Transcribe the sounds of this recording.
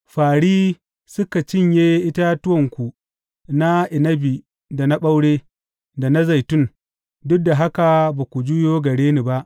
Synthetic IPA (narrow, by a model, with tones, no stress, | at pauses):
ɸaː˨ɽiː˦ | sʊ˦ka˨t͡ʃɪ˦˨ɲjeː˦ʔɪ˦ta˦tʊ˦wɔ˨ŋkʷu˨ | na˦ʔɪ˨nɐ˦bi˨ | da˨na˦ɓa˦wɽeː˦ | da˨na˦za˨jtʊ˦n | dʊ˦k̚da˨ɦa˦ka˨baː˨kʷu˨d͡ʒu˦joː˦ɡɐ˨ɽeː˦ni˨ba˦ʔ